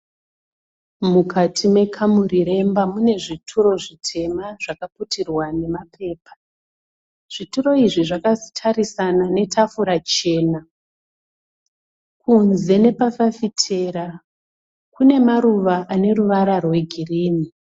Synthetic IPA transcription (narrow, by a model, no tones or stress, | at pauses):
mukʰatʰime̞kʰamuɾiɾe̞mbamune̞ʐitʰuɾo̞ʐitʰe̞maʐ̥akaputirwane̞mapʰe̞ːpḁ | ʐ̥ituɾo̞iʐiʐakazitʰaɾisanane̞tʰafuɾat͡ʃe̞ːna | kunze̞ne̞pafafitʰe̞ɾa | kune̞maɾuʋaʔane̞ɾuʋaɾarwe̞ɡʱiriːni